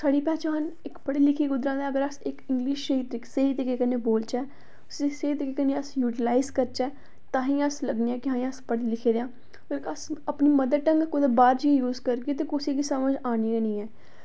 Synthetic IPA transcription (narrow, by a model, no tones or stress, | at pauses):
saːɽiːpɛːt͡ʃaːənɪkpəɽiːlɪkʰiːɡʊd̪ɾaːd̪ɛ̃ːəɡəɾəsɪkɪ̃ŋɡliʃʃəɦiːt̪ɾɪkseɦiːt̪ekeːkəneːboːlt͡ʃɛː | seseiːt̪ekekəneːəsjuːʈɪlaːɪzkəɾt͡ʃɛː | t̪ãːɦĩːəsləɡniːãːkɪɦãːĩəspəɽilɪkʰeːd̪ejãː | kəsəpniːməd̪əʈəŋɡkʊd̪əbaːɾd͡ʒijuːzkəɾɡeːt̪̬eːkʊsiːkisəməd͡ʒaːnienĩːɛː